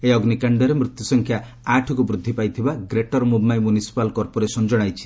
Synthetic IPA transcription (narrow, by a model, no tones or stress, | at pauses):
eɔɡnikaɳɖɔɾemɾut̪jusɔŋkʰjaː | ʈʰɔkubɾud̪ʱːipajt̪ʰibaɡɾeʈɔɾmubmajmunisi̥palkɔɾpɔɾesɔnd͡ʒɔɽ̃ajt͡ʃʰi̥